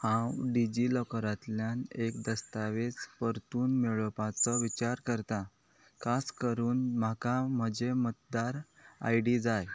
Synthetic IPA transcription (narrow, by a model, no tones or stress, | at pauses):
hãwɖid͡ʑilɔkɾat̪ljanekd̪əst̪aʋet͡spəɾt̪uːnmeɭəpat͡səʋit͡ɕaɾkəɾt̪a | kʰaskəɾuːnm̤akam̤əd͡ʑemət̪̚d̪aɾa̰jɖid͡zaj